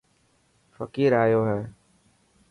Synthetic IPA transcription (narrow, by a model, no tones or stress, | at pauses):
fəkiːɾaːjoːɦɛː